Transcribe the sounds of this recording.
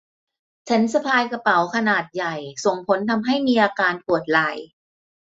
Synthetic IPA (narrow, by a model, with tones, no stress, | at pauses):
t͡ɕʰa˦˥nsa˧pʰaː˧jka˧pa˩˦wkʰa˧naː˨˩t̪̚ja˨˩jso˨˩ŋpʰo˨˦˥nt̪ʰa˧mɦa˥˩jmiː˧ʔaː˧kaː˧npʰu˨˩ət̪̚la˨˩j